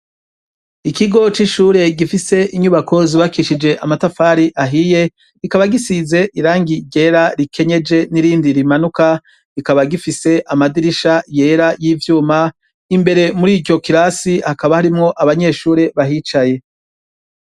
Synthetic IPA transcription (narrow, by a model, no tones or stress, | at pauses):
ikiɡo̞t͡ʃiʃuːɾe̞ɡifise̞iɲuβakʰo̞ziβakiʃid͡ʒe̞ʔamatafaːɾiʔaɦije̞ | ikaβaɡisize̞ʔiɾaːŋɡiɾɟe̞ɾaɾikʰe̞ɲe̞d͡ʒe̞niɾiːndiɾimanuka | ikaβaɡifise̞ʔamadiɾiʃaje̞ːɾajiːvjuːma | imbe̞ɾe̞muɾiːɟo̞kiɾasihakaβahaɾimŋo̞ʔaβaɲe̞ʃuːɾe̞βaɦit͡ʃaje̞